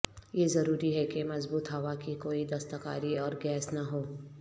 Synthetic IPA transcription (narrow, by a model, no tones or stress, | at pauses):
jezɐɾuːɾiɦɛkemɐzbuːt̪ɦɐʋakikoːid̪ɐst̪əka̰ːɾiɔːɾɡɛːsnɐɦoː